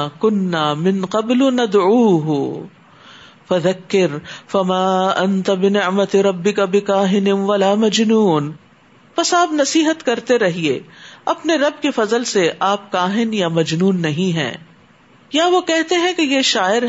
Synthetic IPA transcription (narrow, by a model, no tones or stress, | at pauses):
kʊnːaːmɪ̃nqɐblnɐd̪ʕuːɦ | fɐðɐkːɪɾfɐmaːʔɐnt̪abɪnɪʕmɐt̪ɾɐbːɪkabɪkaːɦɪnɪʋɐlaːmɐd͡ʒnuːn | pɐsaːpnɐsiːɦət̪kɐɾt̪eɾɐɦiḛːɐpneɾɐb̚kefɐzəlseʔaːp̚kaːɦɪnjamɐd͡ʒnuːnːɐɦĩɦɛ̰̃ː | jaʋokɛɦt̪eɦɛ̃kejeʃaːɪɾ